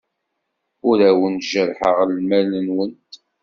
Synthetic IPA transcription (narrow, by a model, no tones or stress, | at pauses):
ʊɾæwənt̪ʒəɾħəʁlmælənwənt̪